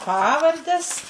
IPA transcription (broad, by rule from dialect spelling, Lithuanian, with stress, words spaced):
ˈpɑːʋɐrʲdʲɛs